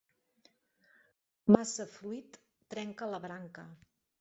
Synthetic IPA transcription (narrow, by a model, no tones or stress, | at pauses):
masəfɾuit̪ː | ɾɛŋkələβɾaŋkə